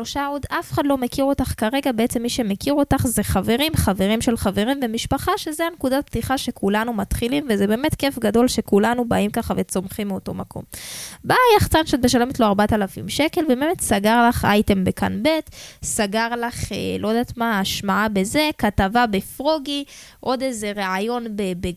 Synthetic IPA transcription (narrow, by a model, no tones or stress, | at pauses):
loʃaodafeχadlo̞me̞kiʁo̞t̪aχkaʁe̞ɡabeet͡se̞mːiʃe̞me̞kiʁo̞taχzeχave̞ʁimχave̞ʁimʃe̞lχave̞ʁimvemiʃpaχaʃezeanekudaptiχaʃe̞kulanumat̪χilimvezebe̞ːme̞tke̞fɡado̞lʃe̞kulanubaimkaχavet͡so̞mχimːio̞to̞makʰo̞̰mbajaχt͡sanʃot̚beʃale̞metlo̞aʁbat̪alafimʃeke̞lvebeme̞tsaɡaʁlaχʔa̰jte̞mbeka̰nbe̞tsaɡaʁlaχḛlʔo̞jd̪aːt̪maːʃmaabeze̞katavabefʁoɡiʔo̞d̪eze̞ʁeajo̞nbebe